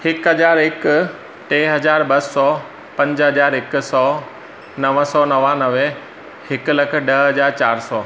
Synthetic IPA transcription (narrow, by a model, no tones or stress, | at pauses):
hɪkɦɐd͡ʑaːɾɪk | ʈẽːɦɐd͡ʑaːɾbɐsːɔː | pɐ̃ɲd͡ʑɦɐd͡ʑaːɾɪk̆sɔː | nɐʋəsɔːnɐʋãnɐʋe | hɪklɐk̆ʰɗɐɦɦɐd͡ʑaːɾt͡ɕaːɾsɔː